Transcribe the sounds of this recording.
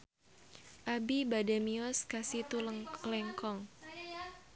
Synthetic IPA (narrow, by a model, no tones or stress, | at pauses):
ʔabibadamiɔskasit̪ullɛŋkɔŋ